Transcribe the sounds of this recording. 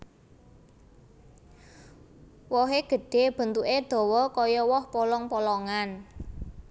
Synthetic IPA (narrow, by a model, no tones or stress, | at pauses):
wɔɦeɡ̥ə̤ɖ̥e̤b̥ə̤nt̪uʔed̪̥ɔ̤wɔkɔjɔwɔhpɔlɔŋpɔlɔŋan